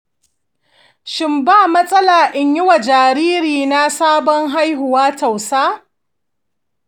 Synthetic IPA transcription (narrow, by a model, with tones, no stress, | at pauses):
ʃɪ˦mbaː˦˨mɐ˦sʼɐ˦laː˨ʔɪ˦ɲjɪ˦wa˨d͡ʒaː˨ɾiː˦ɾiː˨na˦saː˦bɔ˦ŋɦa˦jɦʊ˨waː˦ta˨wsaː˦